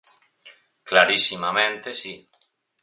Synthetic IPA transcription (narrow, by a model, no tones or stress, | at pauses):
klaɾisimamẽnt̪esi